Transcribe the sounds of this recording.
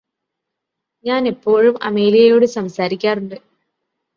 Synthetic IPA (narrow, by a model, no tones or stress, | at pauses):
ɲaːne̞pːo̞ːɻumɐ̰me̞ːlijɐjo̞ːɽɨsɐmsaːɾikʲːaːruɳɖɨ